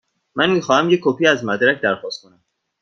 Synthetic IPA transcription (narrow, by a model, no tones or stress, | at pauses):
mænmiːxɒːhæmje̞kʲʰːopʰiːæzmæd̪ɾæcʰd̪æɾxɒːst̪̚kʰo̞næm